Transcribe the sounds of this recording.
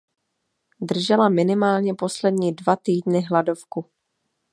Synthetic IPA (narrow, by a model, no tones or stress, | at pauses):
d̪r̩ʒɛlamɪnɪmaːlɲɛpo̞slɛdɲiːdvat̪iːdnɪɦladofku